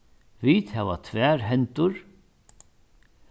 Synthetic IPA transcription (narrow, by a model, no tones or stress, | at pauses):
vit̪hɛʋa̰t̪ʰvæːɾɦɛnt̪ʊɾ